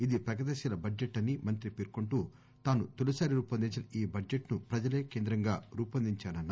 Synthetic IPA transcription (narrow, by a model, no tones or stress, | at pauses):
id̪ipɾɐɡɐd̪ɐʃilɐbɐd͡ʒeʈːɐnːimɐnt̪ɾipiɾkuɳʈuː | t̪aːnut̪ulɐsaːɾiɾuːpɐnd̪iɲt͡ʃɐnɐiːbɐd͡ʒeʈnupɾɐd͡ʒɐle̞ːkeːnd̪ɾɐŋɡaːɾuːpɐnd̪iɲt͡ʃaːnɐna